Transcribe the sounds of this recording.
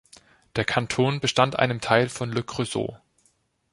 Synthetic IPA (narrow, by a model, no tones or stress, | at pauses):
d̥eːɐkʰantʰoːnbəʃtantʔa̰ɪnəmtʰaɪlfɔnløkʁ̥øzo̰ː